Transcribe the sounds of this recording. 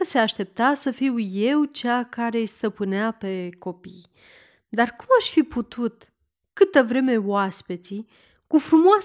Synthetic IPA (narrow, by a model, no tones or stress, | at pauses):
seaʃt̪e̞p̚t̪asəfiwje̞wt͡ʃakaɾe̞st̪əpɨneape̞ko̞pij | d̪arkumaʃʲfiput̪ʰut̪ | kɨt̪əvɾe̞me̞waspet̪si | kufɾumoas